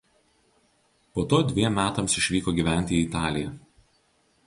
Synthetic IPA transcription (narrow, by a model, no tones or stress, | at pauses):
poːt̪oːd̪ʲʋʲiɛmːʲæːt̪ɐmsɪʃʲʋʲiːkoːɡʲiːʋʲæˑnʲt̪ʲɪːt̪ɑːlʲɪjɛ